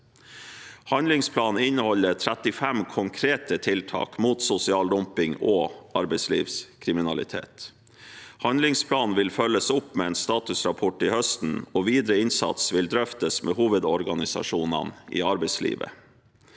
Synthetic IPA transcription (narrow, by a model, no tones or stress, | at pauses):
hɑnd̪lɪŋspʰlɑːn̩ɪnːəhɔlət̪ʰɾæt̪ɪfæmkʰʊŋkʰɾeːt̪ət̪ʰɪlt̪ʰɑ̰ːkmuːt̪sʊsɪɑːld̪ɔmpɪŋoːɑɾbɛɪslḭːʋskʰɾɪmɪnɑlɪ̰t̪ʰḛːt̪ | hɑnd̪lɪŋspʰlɑːnʋɪlfœlːəsʊpːmeːɛːnst̪ɑːt̪ʉsɾɑpʰɔʈːɪːhœst̪n̩ɔːʋiːd̪ɾəɪnsɑ̰t̪sʋɪld̪ɾœft̪əsmʔḛːhuːʋəd̪ɔɾɡɑnɪsɑ̰ʂuːnɑ̰nʔɪ̰ːɑɾbɛɪslḭːʋə̰